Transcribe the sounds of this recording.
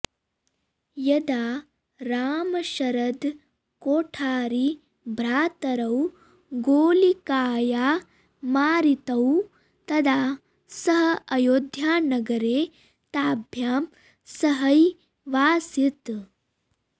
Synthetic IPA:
jɐd̪aː | ɾaːmɐʃɐɾɐd̪ | koːʈʰaːɾi | bʱɾaːt̪ɐɾɐw | ɡoːlikaːjaː | maːɾit̪ɐw | t̪ɐd̪aː | sɐɦɐɐjoːd̪ʱjaːnɐɡɐɾeː | t̪aːbʱjaːm | sɐɦɐj | ʋaːsit̪

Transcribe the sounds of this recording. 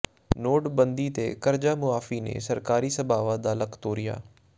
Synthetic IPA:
noːʈbənd̪iːt̪ḛːkəɾd͡ʒaːmʊaːfiːnḛːsəɾkaːɾiːsəbaːʋad̪aːləkt̪oːɾɪja̰ː

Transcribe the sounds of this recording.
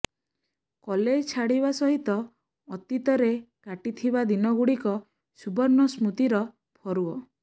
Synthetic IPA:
kɔled͡ʒt͡ʃʰaɽiβasɔɦit̪ɔː | t̪it̪ɔɾekaʈit̪ʰibad̪inɔɡuɽikɔ | subɔɾnɔsmut̪iɾɔ | pʰɔɾuɔ

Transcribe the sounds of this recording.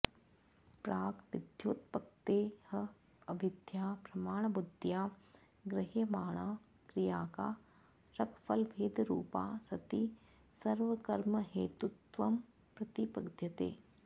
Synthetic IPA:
pɾaːɡʋɪd̪ʱjoːt̪pɐk̚t̪eːhɐ | ɐbʱɪd̪ʱjaːpɾɐmaːɳ̃bʊd̪ʱjaː | ɡɾɪɦjəmaːɽ̃aː | kɾijaːkaː | ɾɐkfʰɐlbʱeːd̪ɾuːpa̰ːsɐt̪i | sɐɾʋəkɐɾməɦeːt̪ut̪ʋɐm | pɾɐt̪ipɐɡd̪ʱjɐt̪ḛː

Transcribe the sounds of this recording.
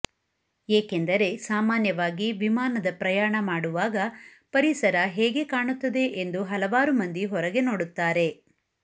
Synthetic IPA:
eːkend̪ɐɾe̞saːmaːnjɐʋaːɡiʋimaːnɐd̪ɐpɾɐjaːɳɐmaːɽuʋaːɡɐ | pɐɾisɐɾɐɦeːɡe̞kaːɳut̪ːɐd̪e̞ʔend̪uɦɐlɐʋaːɾumɐnd̪iɦɔɾɐɡe̞no̞ːɽut̪ːaːɾe̞

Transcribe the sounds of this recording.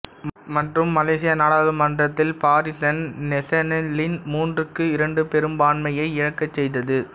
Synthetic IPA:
mɐʈrɯmːɐleːsɪjɐnaːɽaːðɯmɐndrɐt̪ːɪlpaːɾɪsɐnnɛsɐnɐlɪnmuːndrɯkːɯɪɾɐɳɖɯpɛɾɯmbaːnmɐjɐɪɪɻɐkːɐt͡ʃːɛjðɐðɯ

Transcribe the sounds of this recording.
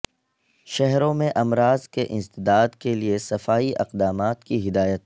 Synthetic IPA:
ʃɛɦɾõmẽʔɐmɾaːzkeʔɪ̃nst̪ɪd̪aːd̪keliesɐfaːiʔɐ̰qd̪aːmaːt̪kiɦɪd̪aːjət̪̚

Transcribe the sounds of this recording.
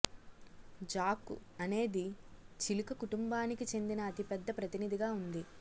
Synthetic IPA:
d͡ʒaːkṵɐne̞ːd̪it͡ʃilikɐkuʈumbaːnikit͡ʃe̞nd̪inɐːt̪ipɛd̪ːɐpɾɐt̪inid̪ʱiɡaːund̪i

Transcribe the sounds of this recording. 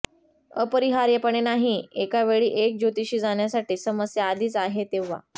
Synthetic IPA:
ə̰pəɾiɦaɾjəpəɳenaɦiekaʋeɭiːʔek̚d͡ʑot̪iɕiːd͡zaɳjasaʈiːsəməsjəːd̪iːt͡saɦet̪eʋːa̰

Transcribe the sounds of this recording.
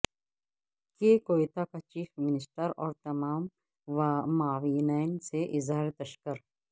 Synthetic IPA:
kekoːit̪akat͡ʃiːfmɪnɪsʈəɾɔːɾt̪ɐmaːmː | aːʋiːnaːɪnseʔɪzɦaːɾet̪ɐʃkəɾ

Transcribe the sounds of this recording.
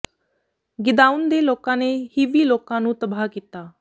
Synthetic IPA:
ɡɪd̪aːʊnd̪eːloːkãːneːhiːʋiːloːkãːnũːt̪əbaːkiːt̪aː

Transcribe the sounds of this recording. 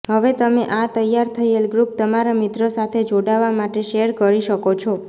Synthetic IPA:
ɦəʋet̪əmeʔat̪əjaɾt̪ʰəelɡɾup̚t̪əmaɾamɪt̪ɾosat̪ʰed͡ʒoɽaʋamaʈeʃeəɾkəɾiʃəkot͡ʃʰɔ

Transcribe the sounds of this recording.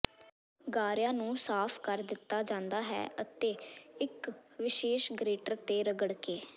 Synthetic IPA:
ɡaːɾjãːnũːsaːpʰkəɾd̪ɪt̪ːaːd͡ʒãːnd̪aːɦɛ̰ːʔət̪eːɪkʋɪʃeːʃɡɾeːʈəɾt̪eːɾəɡəɽkeː

